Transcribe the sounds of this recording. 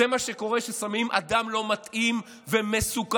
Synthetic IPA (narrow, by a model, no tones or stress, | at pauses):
emaʃeko̞ʁe̞ʃesamimʔa̰d̪amlo̞mat̪im | vemesuk